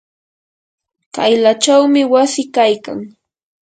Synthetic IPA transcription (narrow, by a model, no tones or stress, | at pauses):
t̪ajlat͡ʃawmɪwasɪkajka̰ŋ